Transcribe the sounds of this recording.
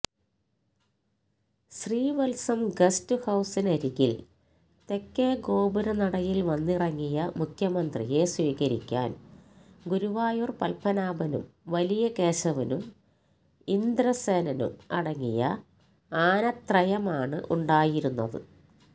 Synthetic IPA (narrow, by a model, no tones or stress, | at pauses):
ɕriːʋɐlsɐmɡɐstɨhɐwsinɐɾiɣil | t̪e̞kːeːɡo̞ːbuɾɐnɐɽɐjilʋɐnːirɐŋːijɐmukʰjɐmɐnd̪rḭje̞swiːɣɐɾikʲːa̰ːn | ɡuɾuʋaːjurpɐlpɐnaːbɐnṵmʋɐlijɐke̞ːɕɐʋɐnum | ind̪ɾɐsenɐnṵmɐɽɐŋːḭjɐ̰ | aːnɐt̪rɐjɐmaːɳɨʔuɳɖaːjiɾunːɐðɨ̰